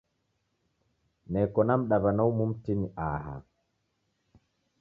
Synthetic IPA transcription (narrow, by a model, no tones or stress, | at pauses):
nɛkɔnam̩ɗaβanaumum̩tiniʔaha̰